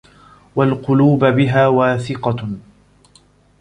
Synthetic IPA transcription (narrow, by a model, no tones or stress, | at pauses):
walqʊluːbbɪɦaːwaːθɪqɑ